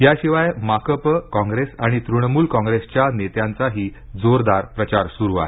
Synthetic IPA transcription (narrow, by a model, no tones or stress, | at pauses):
ɦjaɕiʋajmakəpkɔ̃ŋɡɾesaɽ̃it̪ɾuɳmuːlkɔ̃ŋɡɾest͡ɕjanet̪jãnt͡saɦiː | d͡zoɾd̪aɾpɾət͡ɕaɾsuɾua̰e